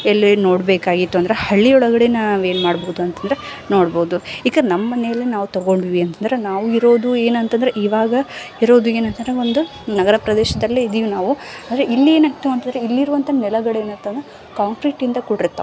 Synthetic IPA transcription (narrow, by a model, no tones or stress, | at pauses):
elːino̞ːɽbeːkaːɡit̪ːuɐnd̪ɐɾehɐɭːiɔɭɐɡɐɽenaʋue̞ːnmaːɽboːud̪uɐnt̪ɐnd̪ɾe | no̞ːɽboːud̪uiːkɐnɐmɐːmɐnɛjɐlːinaːʋut̪ɐɡo̞ɳɖiʋiɐnt̪ɐnd̪ɐɾenaːʋuiɾo̞ːd̪ue̞ːnɐnt̪ɐnd̪ɐɾeʔiːʋaːɡɐiɾo̞ːd̪ue̞ːnɐnt̪ɐnd̪ɾeo̞nd̪u | nɐɡɐɾɐpɾɐd̪ɛːʃɐd̪ɐlːiid̪ijunaːʋuaːd̪ɐɾeʔilːieːnɐkt̪ːuɐnt̪ɐnd̪ɾeilːiɾuʋɐnt̪ʰɐnɛlɐɡɐɽeːnɐnt̪ɐnd̪ɾe | kaːnkɾiʈːind̪ɐkuɽiɾt̪ːɐ̰